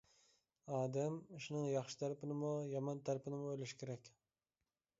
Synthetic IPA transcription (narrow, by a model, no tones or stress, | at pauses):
ɑːd̪ɛmuʃnɪŋjɑχʃɪ̥t̪ʰæɾɪpʰɪnɪmujɑmɑnt̪ʰæɾpɪnɪmʊojlɪʃɪ̥kʲʰeɾɛkʲ